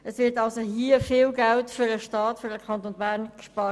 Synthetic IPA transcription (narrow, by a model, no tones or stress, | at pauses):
əsvʋɪtɑlsohiəfɪːlɡæltfʏɾdəʃtɑːtfʏɾdəkʰɑntonbæʁnkʃpɑː